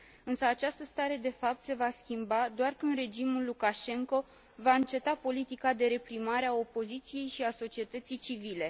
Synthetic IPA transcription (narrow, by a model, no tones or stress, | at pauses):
ɨnsəat͡ʃast̪əst̪aɾe̞d̪e̞fap̚t̪se̞vaskʲimbad̪oarkɨnd̪re̞d͡ʒimulːukaʃe̞ŋko̞ | vaɨnt͡ʃe̞t̪apo̞lit̪ikad̪e̞ɾe̞pɾimaɾeao̞po̞zit̪sije̞jʃiaso̞t͡ʃie̞t̪ət̪sijt͡ʃivile̞